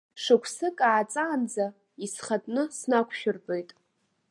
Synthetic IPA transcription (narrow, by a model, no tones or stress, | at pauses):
ʂɨkʷʰsɨkʼaːt͡sʼaːnd͡za | isχatʼnɨsnakʷʰʃᶣʊrpʼejtʼ